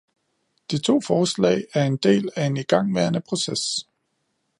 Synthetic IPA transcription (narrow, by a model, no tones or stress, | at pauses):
d̥it͡sʰo̝̰ːfɒːslɛ̰ːɪæɐe̝nd̥e̝̰ːlæe̝niɡ̥ɑ̈ŋ̰ʋæɐnəpʰʁo̝ses